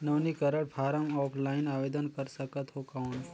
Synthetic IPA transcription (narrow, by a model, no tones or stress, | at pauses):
nəʋnikəɾəɽpʰaːɾəmɔːpʰlaːɪnaːʋeːd̪ənkəɾsəkət̪ɦokaʊn